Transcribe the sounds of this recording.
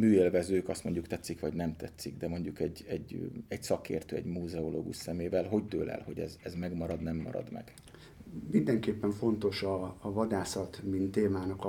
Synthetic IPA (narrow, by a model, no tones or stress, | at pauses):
myːeːlvɛzøːkɒst̪mo̞ɲɟukt̪ɛt̪sːikʋɒɟnɛmt̪ɛt̪siɡd̪ɛmo̞ɲɟukɛɟːɛɟɛɟsɒkḛːrt̪øːɛ̰ɟmuːzɛolo̰ːɡṵʃsɛmeːvɛlɦo̞ɟ̚t̪øːlɛ̰lho̞ɟɛ̰zɛzmɛɡmɒɾɒd̪nɛmːɒ̰ɾɒ̰d̪mɛ̰ɡ̥ | mind̪ɛŋkeːpːɛɱfo̞nt̪o̞ʃɒːvɒd̪aːsɒt̪mint̪ːeːmaːnɒk